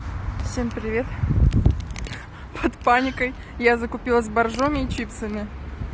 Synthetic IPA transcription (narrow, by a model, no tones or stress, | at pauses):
fsʲempɾʲɪvʲe̞t̪ | pʰət̪panʲɪkəj | jazəkʊpʲilˠəs̬ʲbɐrʐomʲɪːt͡ɕip̪səmʲɪ